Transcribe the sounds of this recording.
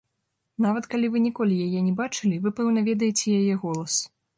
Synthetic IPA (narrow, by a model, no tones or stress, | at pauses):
navɐt̪kalʲivɨnʲɛkɔlʲijajɛnʲɛbat͡ʂɨlʲivɨpɛwnɐvʲɛd̪ɐjet͡sʲɛjajɛɣɔlˠɐs